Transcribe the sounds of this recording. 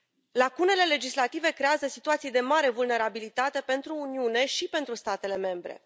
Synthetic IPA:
lakune̞le̞le̞d͡ʒislat̪ive̞kɾe̞azəsit̪uat̪sijd̪e̞maɾe̞vulne̞ɾabilit̪at̪e̞pe̞nt̪ɾuːniune̞ʃipe̞nt̪ɾust̪at̪e̞le̞me̞mbɾe̞̰

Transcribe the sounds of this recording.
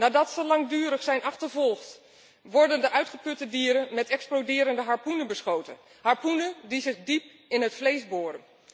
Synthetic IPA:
naːdɑtsəlɑŋdyːɾəχsɛjnʔɑχtəɹvɔlˠχt | ʋɔɹdəndəʔœɥtχəpɵtədiːɾənmɛtɛksplodɪːɾəndəɦaɹpunəbəsχowtə̰n | haɹpunədizɪχdip | ɪnɦətflejzbʊːɾən

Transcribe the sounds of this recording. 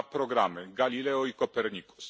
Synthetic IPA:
pɾɔɡɾamɘɡalʲilɛɔikɔpɛɾɲiku̥s

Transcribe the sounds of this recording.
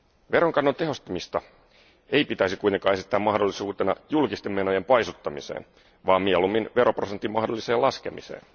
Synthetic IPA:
ʋe̞ɾo̞ŋkɑnːot̪e̞ɦo̞st̪ɑmist̪ɑ | e̞jpit̪æjsikujt̪eŋkɑːe̞sit̪ːæːmɑhdolːisuːt̪e̞nɑ̰julkist̪emːe̞no̞je̞mpɑjsut̪ːɑmisḛːn | ʋɑːmielumːinʋe̞ɾo̞prosent̪ːˑimɑɦhdo̞lːiseːlɑske̞mise̞̰ːn

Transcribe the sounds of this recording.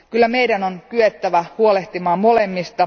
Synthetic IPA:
kylːæme̞jdænonkyet̪ːæʋæhuole̞ht̪imɑːmo̞lemːist̪ɑ

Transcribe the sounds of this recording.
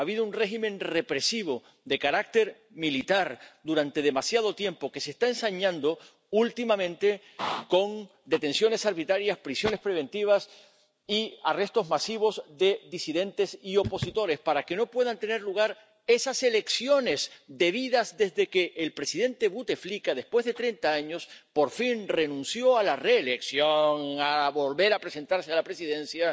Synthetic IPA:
aβiðounre̞ximẽ̞nre̞pɾe̞siβ̞o̞ | ðekaɾak̚t̪e̞ɾ | milit̪aɾd̪uɾãnt̪e̞ð̞e̞masjað̞o̞t̪je̞mpo̞ke̞sest̪aensaɲãnd̪o̞ | ult̪imãmẽ̞nt̪e̞ | ko̞ŋ | d̪e̞t̪ẽ̞nsjo̞ne̞saɾβit̪ɾaɾjaspɾisjo̞ne̞spɾe̞β̞ẽ̞nt̪iβ̞as | iare̞st̪o̞zmasiβ̞o̞zðe̞ðisiðe̞nt̪e̞sio̞po̞sit̪o̞ɾe̞spaɾake̞no̞pwe̞ðant̪e̞ne̞ɾluɣ̞aɾ | e̞sase̞le̞ksjo̞ne̞sd̪e̞βiðazðe̞zðe̞ke̞ʔːlpɾe̞siðe̞nt̪e̞βut̪e̞flikaðe̞spwe̞zðe̞t̪ɾe̞nt̪aaɲo̞spo̞ɾfinre̞nũnsjo̞alare̞ːleksjo̞ŋaβo̞lβe̞ɾapɾe̞se̞nt̪aɾsealapɾe̞siðe̞nsja

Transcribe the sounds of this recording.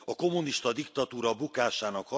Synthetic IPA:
ɒko̞mːuniʃt̪ɒd̪ikt̪ɒt̪uːɾɒbukaːʃaːnɒkhɒ

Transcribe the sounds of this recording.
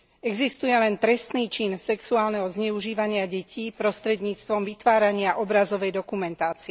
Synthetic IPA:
ɛɡzist̪ujɛlɛnt̪ɾɛst̪niːt͡ʃinsɛksuaːlnɛɦɔzɲɛuʒiːʋaɲɪaɟɛciːpɾɔst̪ɾɛd̪ɲiːt͡st̪ʋɔmʋit̪ʋaːɾaɲɪaʔɔbɾazɔʋɛjd̪ɔkumɛnt̪aːt͡siɛ

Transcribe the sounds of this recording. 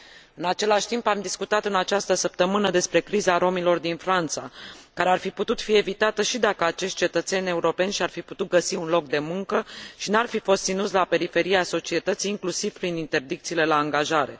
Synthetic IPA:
ɨnat͡ʃe̞laʃʲt̪impamd̪iskut̪at̪ɨnat͡ʃast̪əsəp̚t̪əmɨnəd̪e̞spɾe̞kɾizaɾo̞milo̞rd̪infɾant̪sakaɾe̞arfiput̪ut̪fie̞vit̪at̪əʃid̪akəat͡ʃe̞ʃt̪̚t͡ʃe̞t̪ət̪se̞nʲe̞uɾo̞pe̞nʃiarfiput̪ut̪̚ɡəsiunlo̞k̚d̪e̞muŋkəʃinarfifo̞st̪sinut̪sʲlape̞ɾife̞ɾiaso̞t͡ʃie̞t̪ət̪siːŋklusiv̥pɾinint̪e̞rd̪ikt̪siːle̞laːŋɡaʒaɾe̞̰

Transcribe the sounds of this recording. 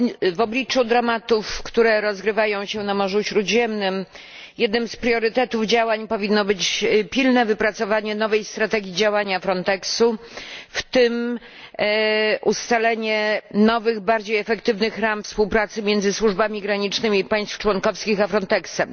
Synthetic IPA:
vɔblʲit͡ʂud̪ɾamat̪ufkt̪uɾɛɾɔzɡɾɘvajɔ̃w̃ɕɛnamɔʐuɕɾud̪ʑɛmnɘm | jɛd̪nɘmspɾʲjɔɾɘt̪ɛt̪uvd͡ʑawaɲpɔvʲinːɔbɘt͡ɕpʲilnɛvɘpɾat̪sɔvaɲɛn̪ɔvɛjst̪ɾat̪ɛɡʲid͡ʑawaɲafɾɔnt̪ɛksuft̪ɘm | ʔust̪alɛɲɛnɔvɘɣbaɾd͡ʑejɛfɛkt̪ɘvnɘxɾamfspuwpɾat̪sɘmʲjɛnzɘswuʐbamʲiɡɾaɲit͡ʂnɘmʲiːpaj̃st̪ft͡ʂwɔnkɔfskʲixafɾɔnt̪ɛksɛm

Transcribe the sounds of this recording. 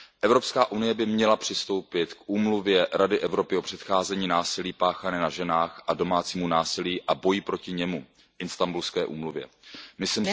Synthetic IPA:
ʔɛvɾo̞pskaːʔunɪjɛbɪmɲɛlapr̝̥ɪst̪o̞wpɪt̪kʔuːmluvjɛɾadɪʔɛvɾo̞pɪo̞pr̝̥ɛt̪xaːzɛɲiːnaːsɪliːpaːxanɛːnaʒɛnaːxʔado̞maːt͡siːmunaːsɪliːʔabo̞jipɾo̞cɪɲɛmu | ʔɪnst̪ambulskɛːʔṵːmluvjɛ̰mɪsim

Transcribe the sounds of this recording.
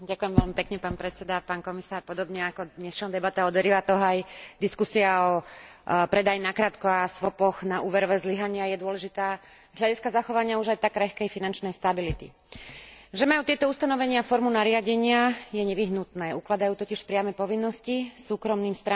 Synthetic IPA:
ɟakujɛmʋɛlmipɛkɲɛpaːnpɾɛt̪t͡sɛd̪apaːnkɔmisaːɾpɔd̪ɔbɲɛakɔd̪ɲɛsʃɔnd̪ɛbat̪ɛɔd̪ʋɛɾiʋat̪ɔɦɔajd̪iskusiaɔ | pɾɛd̪ajinakɾaːt̪kɔasʋɔpɔɣnaʔuːʋɛɾɔʋɛzliɦaɲɪajɛd̪ʊɔlɛʒit̪aːzlʎaɟiskazaxɔʋaɲɪauʒajt̪akɾɛxkɛjfinant͡ʃnɛjst̪abilit̪ḭ | ʒɛmajuːt̪ɪɛt̪ɔust̪anɔʋɛɲɪafɔɾmunaɾɪaɟɛɲɪajɛɲɛʋiɦnut̪nɛːuklad̪ajuːt̪ɔciʃpɾɪamɛpɔʋinːɔscisuːkɾɔmniːmst̪ɾa

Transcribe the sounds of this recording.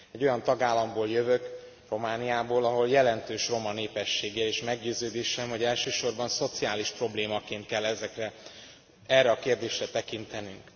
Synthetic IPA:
ɛɟːo̞jɒnt̪ɒɡaːlːɒmboːljøvø̞k | ro̞maːnijaːboːlɒɦo̞ljɛlɛnt̪øːʃro̞mɒneːpɛʃːeːɡeːleːʃmɛɡɟøːzøːd̪eːʃɛmɦo̞ɟɛlʃøːʃo̞rbɒnso̞t̪sijaːliʃpro̞bleːmɒkeːnt̪̚kɛlːɛzɛkrɛ | ɛrːɛɒkeːrd̪eːʃrɛt̪ɛkint̪ɛnyŋk

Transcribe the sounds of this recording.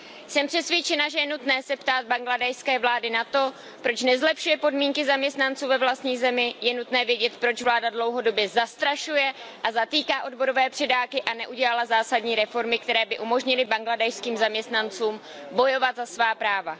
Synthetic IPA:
sɛmpr̥ɛsvjɛt͡ʃɛnaʒɛjɛnut̪nɛːsɛpt̪aːd̪̚baŋɡladɛjskɛːvlaːdɪnat̪o̞ | pɾo̞t͡ʃnɛzlɛpʃujɛpo̞dmiːŋkɪzamɲɛst̪nant͡suːvɛvlast̪ɲiːzɛmɪjɛnut̪nɛːvjɛɟɛt̪pɾo̞t͡ʃvlaːdadlo̞wɦo̞do̞bjɛzast̪ɾaʃujɛʔazat̪iːkaːʔo̞dbo̞ɾo̞vɛːpr̝̥ɛdaːkɪʔanɛʔuɟɛlalazaːsadɲiːɾɛfo̞ɾmɪk̚t̪ɛɾɛːbɪʔumo̞ʒɲɪlɪbaŋɡladɛjskiːmzamɲɛst̪nant͡suːm | bo̞jo̞vat̪zasvaːpɾaːva

